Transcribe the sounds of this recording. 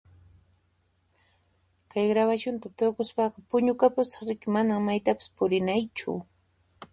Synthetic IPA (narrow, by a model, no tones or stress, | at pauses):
kajɡɾawaʃʊnt̪at̪okʊspɑqɑpʊɲʊkapʊt͡sɑ̥χɾɪkɪmanaŋmajt̪apɪ̥spʊɾɪnajt͡ʃʊ̰